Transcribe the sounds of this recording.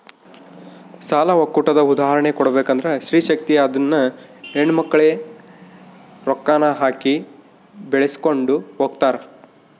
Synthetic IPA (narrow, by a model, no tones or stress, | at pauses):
saːlɐʋɐkːuʈɐd̪ɐud̪aːɦɐɾɐɳekɔɽɐbeːkɐnd̪ɐɾeʃɾiːʃɐk̚t̪ijɐd̪ɐnːɐeɳmɐkːɐɭe | ɾɔkːaːnɐɦaːki | beɭesi̥ko̞ɳɖuɦoːɡt̪aːɾe